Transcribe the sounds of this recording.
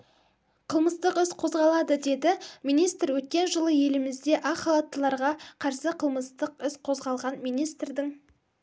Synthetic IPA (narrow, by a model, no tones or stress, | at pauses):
qʰəlˠməst̪əqʏsqʰo̞zʁɑlˠɑd̪əd̪e̞d̪ɪmijnijst̪ɾwɵt̪̚kʲe̞nʒəlˠəje̞lɪmɪzd̪e̞ʔɑχɑlˠɑt̪ːəlˠɑɾʁɑqʰɑɾsəqʰəlˠməst̪əq̚ʏsqʰo̞zʁɑlˠʁɑnmijnijst̪rd̪ɪŋ